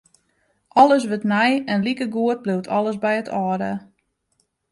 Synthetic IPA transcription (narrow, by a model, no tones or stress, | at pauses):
ʔɔlˠəs̬ʋøtnɛjɛnlikəɡuət̚bliwtʰɔlˠəsbɛjətʰɔːɾə